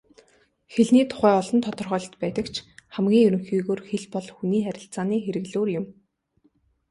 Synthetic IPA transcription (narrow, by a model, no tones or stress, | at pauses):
xeɮniːt̪ʰʊ̥χæːɔɮɞ̆nt̪ʰɔt̪ɞ̆rχœːɮt̪pæːt̪ə̆kt͡ɕʰχæmɡʲiːŋjɵɾɵ̆ŋxiːɣoːrxeɮpɔɮxuniːχæɾʲɪ̆ɬt͡saːniːxeɾɘ̆ɣɮoːrjʊm